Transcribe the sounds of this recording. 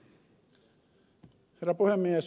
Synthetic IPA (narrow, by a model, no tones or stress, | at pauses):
herːæpuhemːies